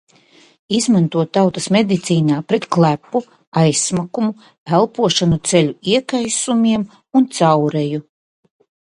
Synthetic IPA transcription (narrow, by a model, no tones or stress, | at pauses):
izmant̪uɔt̪ːawt̪ɐsmed̪it̪siːnaːpɾɛt̪klˠæpːu | ajsmakumu | ælˠpuɔʃanut̪sɛlʲuiɛkajsumʲiɛm | unt̪sawɾɛju